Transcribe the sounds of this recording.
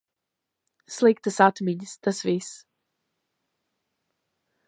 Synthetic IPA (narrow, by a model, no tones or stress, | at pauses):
slik̚d̪əsat̪ʰmiɲsd̪əsviːs